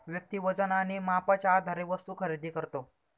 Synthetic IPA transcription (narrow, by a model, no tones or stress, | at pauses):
ʋjək̚t̪iːʋəd͡zənañimapat͡ɕaaːd̪ʱaɾeʋəst̪uːkʰəɾed̪ʱiːkəɾt̪o